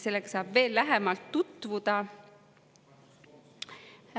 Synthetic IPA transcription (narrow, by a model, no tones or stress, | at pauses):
se̞lːekɑ̥sɑːb̥ve̞ːlːæɦemɑlt̪ːut̪ːˑvud̪̥ɑ